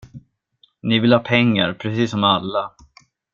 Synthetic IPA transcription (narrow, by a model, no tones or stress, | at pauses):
nɪvɪlhɑːpʰɛŋːa̰ɾpʰɾɛsiːsːɔmalːa